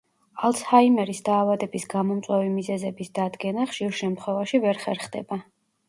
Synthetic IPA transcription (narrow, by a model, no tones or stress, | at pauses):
alˠt̪shaimɛɾisd̪aːvad̪ɛbisɡamɔmt̪sʼwɛvimizɛzɛbisd̪̥ad̪ɡɛnaχʃiɾʃɛmt̪χwɛvaʃivɛɾχɛɾχd̪ɛ̰ba